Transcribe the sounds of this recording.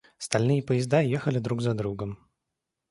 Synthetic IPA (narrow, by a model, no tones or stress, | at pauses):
st̪ɐlʲnɨjəpəjɪzd̪ajexəlʲɪd̪ɾuɡzɐd̪ɾuɡəm